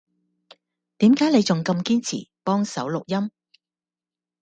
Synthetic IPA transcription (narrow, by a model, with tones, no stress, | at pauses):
t̪iː˨˥mkaː˨˥jle˨˧jt͡sʊ˨ŋkɐ˧mkiː˥nt͡sʰḭ˨˩pɔː˥ŋsɐ˨˥wlʊ˨k̚jɐ˥m